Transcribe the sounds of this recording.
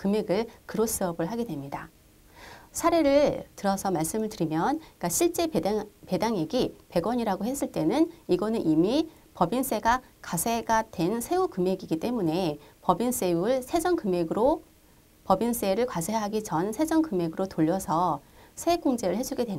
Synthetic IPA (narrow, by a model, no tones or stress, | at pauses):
kɯme̞ɡɯɭkɯɾos͈ɯʌbɯɭɦaɡe̞dwe̞mɲida | sʰaɾe̞ɾɯɭtɯɾʌsʰʌmaɭs͈ɯmɯɭtɯɾimjʌnk͈aɕʰiɭt͡ɕ͈e̞pe̞daŋjeɡipe̞ɡwʌɲiɾaɡohe̞s͈ɯɭt͈e̞nɯniɡʌnɯnʔimi | pʌbins͈e̞ɡakasʰe̞ɡadwe̞nsʰe̞ukɯme̞ɡiɡit͈e̞mune̞pʌbins͈e̞uɯɭsʰe̞d͡ʑʌŋkɯme̞ɡɯɾo | pʌbins͈e̞ɾɯɭkwasʰeɦaɡit͡ɕʌnsʰe̞d͡ʑʌŋkɯme̞ɡɯɾotoʎːʌsʰʌsʰek͈oŋd͡ʑe̞ɾɯɭhe̞d͡ʑuɡe̞dwen